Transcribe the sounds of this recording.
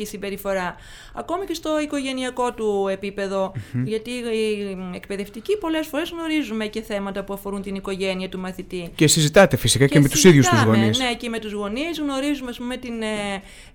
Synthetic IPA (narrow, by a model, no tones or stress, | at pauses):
isimbe̞ɾifo̞ɾɐ | ɐko̞mice̞st̪o̞iko̞ʝe̞niɐko̞t̪ue̞pipe̞ðo̞ʝɐt̪i | ek̚pe̞ðe̞ft̪icipo̞le̞sfo̞ɾe̞zɣno̞ɾizume̞ce̞θe̞mɐt̪ɐpuɐfo̞ɾunt̪iniko̞ʝe̞niɐt̪umɐθit̪icesizit̪ɐt̪efisikɐemet̪usiðjust̪zɣo̞nisnecime̞t̪uzɣo̞nizɣno̞ɾizumeɐspume̞t̪in